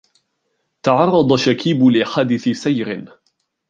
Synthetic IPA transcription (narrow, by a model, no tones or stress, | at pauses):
t̪ɑʕɑrˤːɑd̪ˤɑʃakʰiːbʊlʔɪħaːd̪ɪθɪsajɾɪn